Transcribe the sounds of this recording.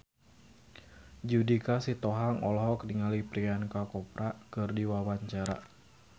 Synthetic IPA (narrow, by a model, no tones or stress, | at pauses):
d͡ʒudikasit̪ɔɦaŋɔlɦɔkdiŋalipɾiankakɔpɾʔakɨrdiwawaɲt͡ʃaɾa̰